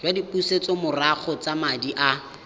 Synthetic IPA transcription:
d͡ʒwadipuset͡sɔmʊraχʰɔt͡samadiʔa

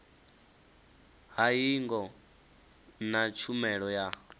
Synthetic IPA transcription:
ɦaiŋɡɔ | nat͡ʃʰumɛɺɔja

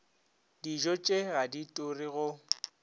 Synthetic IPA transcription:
diʒɔt͡ʃʼeɣaditʼʊriɣʊ

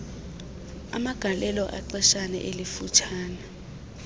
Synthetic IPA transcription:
a̰maɡ̥ʱalʔɛlɔʔa̰ǀɛʃanɛ̰ʔelifut͡ʃʰaːna

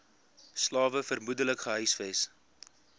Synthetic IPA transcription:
slɑːvəfərmudələkχəɦœɥsfɛs

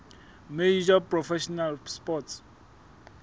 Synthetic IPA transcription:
med͡ʒaprɔfɛʃɔnalspɔts

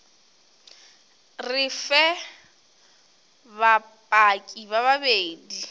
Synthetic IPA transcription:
rɪfɛ | bapʼakʼiβaβabeːdi

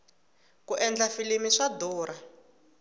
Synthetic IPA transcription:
kuʔɛnd͡ɮafilemiʂadɔːɾa

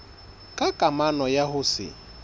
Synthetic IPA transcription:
kʼakʼamanɔjahʊsɪ̰

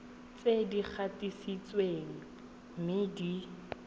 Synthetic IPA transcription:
t͡sedik͡xʰatisit͡sweŋ̩ | mɪdi

